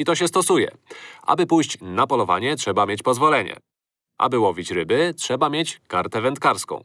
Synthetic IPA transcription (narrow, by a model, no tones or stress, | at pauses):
it̪ɔɕ̬ɛst̪ɔsujɛ̰ʔa̰bɘpujɕt͡ɕnapɔlɔva̰ɲɛtʂɛbamʲjet͡ɕpɔzvɔlɛɲɛ̰ | ʔa̰bɘwɔvʲit͡ɕɾɘbɘtʂɛbamʲjet͡ɕkaɾt̪ɛvɛnt̪kaɾskɔ̰̃w̃